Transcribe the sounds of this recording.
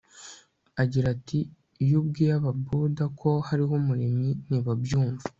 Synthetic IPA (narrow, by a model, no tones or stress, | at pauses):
aɟiɾatʰi | jubɡijaβabudakʰo̞haɾiɦomuɾeminiβabjuːɱva